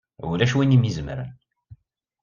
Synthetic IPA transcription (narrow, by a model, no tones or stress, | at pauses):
ṵlæʃwinimizəmɾə̰n